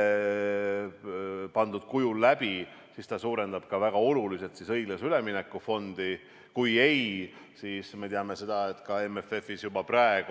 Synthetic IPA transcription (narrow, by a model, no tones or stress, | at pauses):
pɑnd̪ud̪̥kujullæb̥i | sist̪ɑsuːɾe̞nd̪̥ɑb̥kɑvæɡ̥ɑo̞lulise̞t̪sisɤ̞jɡ̥lesyle̞mine̞kːˑufo̞nd̪̥i | kuje̞j | siːsme̞t̪eɑme̞se̞d̪̥ɑe̞t̪ːˑkɑe̞mefe̞fisjubɑprɑe̞ɡ̥u